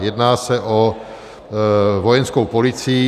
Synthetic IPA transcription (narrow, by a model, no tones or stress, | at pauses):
jɛdnaːsɛʔo | vojɛnskowpolɪt͡si